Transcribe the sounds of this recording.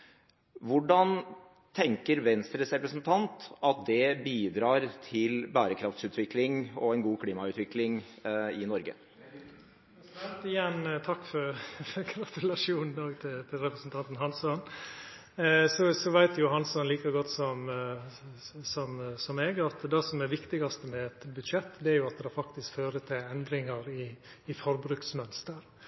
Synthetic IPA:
ʋʊɖɑn | t̪ʰɛŋkəɾʋɛnst̪ɾəsɾɛpɾəsnt̪ʰɑnt̪ɑt̪̚d̪ɛbiːd̪ɾɑːɾt̪ʰɪlbæːɾəkʰɾɑft̪sʉːt̪ʰʋɪklɪŋɔɛnɡuːkʰliːmɑʉːt̪ʋɪklɪŋɪnɔɾɡə̰ | t̪ɪjɛnt̪ʰɑkːfɔɾfɔɾɡɾɑt̪ʉlɑʂuːnn̩oːɡt̪ʰɪt̪ʰɪlɾɛpɾəsnt̪ʰɑnt̪n̩ɦɑnsɔn | sɔsɔʋæɪt̪jʊɦɑnsɔnliːkɑɡɔt̪ːsɔm | sɔmsɔmeːɡɑt̪d̪ɛsɔmɛʋɪkt̪ɪɡɑst̪əmɛɛt̪bʉd̪ʂɛt̪ːd̪ɛæɾjʊɑt̪̚d̪ɛɑfɑkt̪ɪskføːɾət̪ʰɪlɛnd̪ɾɪŋɑɾɪːfɔɾbɾʉːksmœnst̪əɾ

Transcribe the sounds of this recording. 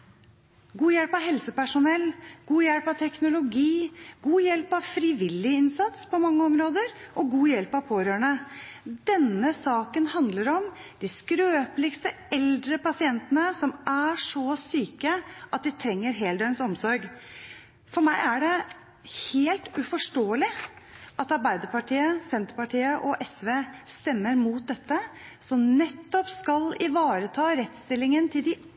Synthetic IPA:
ɡuːjɛlpɑɦɛlsəpæʂʊnɛlːɡuːjɛlpɑt̪ʰɛknʊlʊɡiːɡuːjɛlpɑʋfɾɪʋɪlːɪɪnsɑt̪spʰɔmɑŋːəɔmɾoːd̪əɾʔɔɡuːjɛlpɑʋpʰoːɾøːɳəd̪ɛnəsɑːkənhɑnd̪ləɾɔmd̪̥ɪskɾøːplɪkst̪ə | ɛld̪ɾəpɑsɪɛnt̪ənəsɔmæʂɔsyːkəʔɑt̪̚d̪ɪt̪ʰɾɛŋːəɾɦeːld̪ɛʏnsɔmsɔɾɡ | fɔɾmæɪæɖɛ | heːlt̪ʉfɔʂʈoːəlɪʔɑt̪ɑɾbæɪd̪əɾpɑʈiːəsɛnt̪ɾpɑʈʰiːəʔɔʔɛsʋeːst̪ɛmːəɾmuːt̪̚d̪ɛt̪ːəsɔmnɛt̪ːɔpskɑlɪʋɑːɾət̪ʰɑːɾɛt̪st̪ɪlːɪŋənt̪ʰɪld̪ɪ

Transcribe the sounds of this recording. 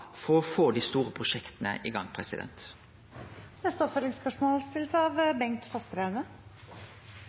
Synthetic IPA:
fɔʁɔfoːd̪iːst̪uːʁəpʰʁʊʃɛkt̪nə̰ʔɪɡɑŋːpʰʁɛsɪd̪ɛ̰nt̪ | nɛst̪əɔpfœlːɪŋspœʂmoːlst̪ɪlːəsəɑʋbɛŋt̪fɑst̪ɾæʉnə

